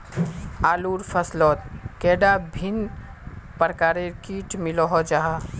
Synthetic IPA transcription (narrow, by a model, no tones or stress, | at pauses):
aːluːɾpʰəslɔːt̪̚kɛːɖabʱin | pəɾkaːɾekiːʈmɪlɔɦɔd͡ʒaɦa